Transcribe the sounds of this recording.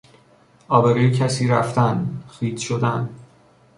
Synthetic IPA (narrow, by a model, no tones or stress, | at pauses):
ɒːbeɾejcʰæsiːɾæft̪ænxiːd̪ʃod̪æn